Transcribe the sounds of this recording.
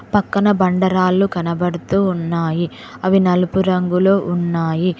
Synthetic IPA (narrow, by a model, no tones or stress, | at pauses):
pɐkːɐnɐbɐɳɖɐɾaːlːukɐnɐbɐɽut̪uːnːaːji | ɐʋinɐlupuɾɐŋɡulo̞ːʔunːaːji